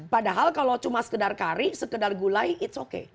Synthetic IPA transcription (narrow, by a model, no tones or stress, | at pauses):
padaɦalkalowt͡ʃumasə̥kədarkaɾisəkədarɡulajɪtsokḛ